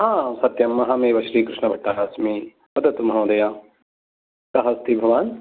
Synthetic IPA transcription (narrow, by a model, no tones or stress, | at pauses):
ɦãːsɐt̪jɐmːɐɦãmeːʋɐʃɾiːkɾɪʃnɐbʱɐʈːaaːsmi | mɐd̪ɐt̪mɦõːd̪ɐjãː | kɐɦɐst̪ʰibʱɐʋaːn